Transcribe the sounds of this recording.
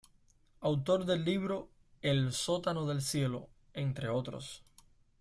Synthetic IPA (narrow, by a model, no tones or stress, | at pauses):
awt̪o̞ɾðe̞lːiβ̞ɾo̞ | elso̞t̪ano̞ðe̞lsje̞lo̞̰ | e̞nt̪ɾe̞o̞t̪ɾo̰s